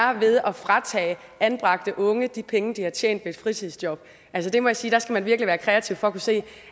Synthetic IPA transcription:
ɐʋe̝ð̞ˠɒfʁɑ̈t͡sʰɛ̰ː | ænb̥ʁɑ̈ɡ̥̚d̥əʔɔ̽ŋəd̥ipʰeŋəd̥ihɑ̈t͡ɕʰjḛːn̰d̥ʋe̝ed̥fʁit͡sʰið̩ˠsd̥jɒ̽b̥ | ʔælsəd̥e̝mɒ̽jäsiːd̥ɑ̈sɡ̥æmænʋiɐɡ̥liʋæːɐkʰʁɛæt͡sʰiʊfɒ̽ɐkʰuse̝̰ː

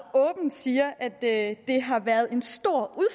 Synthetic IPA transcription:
ɔ̽ːb̥n̩d̥siːɐʔæd̥ød̥e̝ɦɑ̈ʋæɐð̞̩ˠe̝nsd̥o̝ɐ̰uðˠf

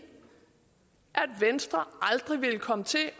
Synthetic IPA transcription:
ʔæd̥ʋensd̥ʁɐʔɑ̈ld̥ʁiʋe̝ləkʰɒ̽mət͡sʰe̝

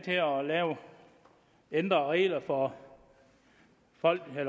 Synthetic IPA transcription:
t͡sʰeɒlɛːʊ | end̥ʁɐʁɛ̰ːlɐfɒ̽ | fɒ̽l̰ɡ̥el

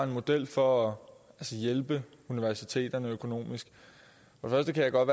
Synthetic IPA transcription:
e̝nmo̝d̥el̰fɒ̽æælsəjelb̥ə | uniʋæɐsit͡sʰe̝̰ːd̥ɐnəøkʰo̝no̝̰ːmisɡ̥ | fɒ̽defɶɐsd̥əkʰæjɑ̈ɪɡ̥ɒ̽d̥ʋæː

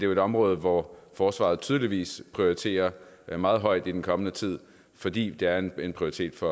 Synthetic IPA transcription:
d̥e̝e̝d̥ɒ̽mʁɔ̽ːð̞̩ˠʋɒfɒːsʋɑ̰̈ð̞̩ˠt͡sʰyːð̞ˠliʋḭːspʰʁioit͡sʰe̝̰ːɐmɑ̈ːð̞̩ˠɦɒ̽ɪ̰d̥id̥enkʰɒ̽mənət͡sʰið̰ˠ | fɒ̽d̥ḭːd̥e̝æɐene̝npʰʁioit͡sʰe̝̰ːd̥fɒ̽

